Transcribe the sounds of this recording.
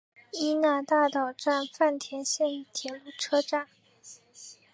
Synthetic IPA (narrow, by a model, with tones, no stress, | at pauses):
i˥na˥˩t̪a˥˩t̪ɑ˨˩ʊʈ͡ʂa˥˧nfa˥˩nt̪ʰjɛ˧˥nɕjɛ˥˩nt̪ʰjɛ˨˩lu˥˩ʈ͡ʂʰɤ˥ʈ͡ʂa˥˩n